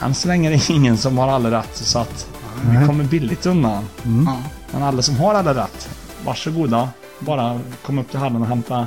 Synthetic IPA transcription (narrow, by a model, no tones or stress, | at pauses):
ɛ̰nsɔlɛŋːəd̪ɛɪŋːənsɔmhaɾalːaɾɛt̪ːsɔat̪ | ɪkʰɔmːəɾbɪlːɪɡ̚t̪ɵnd̪an | mɛ̰nalːasɔmɦaɾalːɾaɾɛ̰t̪ː | va̰ʂɔɡuːd̪a | bɑːɾakʰɔmːaɵp̚ːt̪ʰɪlɦalːənɔɦɛmt̪a